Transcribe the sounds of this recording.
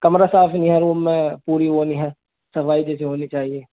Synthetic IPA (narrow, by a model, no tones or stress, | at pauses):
kɐmɾasaːfnĩɦɛɾuːmmːẽpuːɾiɦoːniɦɛː | sɐfaːid͡ʒɛːsiɦoːnit͡ʃaːɦieː